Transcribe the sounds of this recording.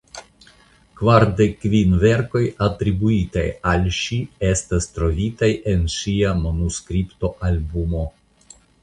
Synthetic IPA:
kvaɾde̞kːvinve̞ɾko̞jatɾibuita̰jalʃie̞stastɾo̞vitaje̞nʃiamo̞nuskɾipto̞ʔalbumo̞

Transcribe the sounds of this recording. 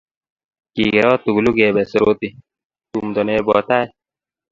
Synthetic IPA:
kiːɡeɾɔːt̪uɡluɡeːbesɾoːt̪i | t̪umd̪oneːbɔ̰ːt̪aːj

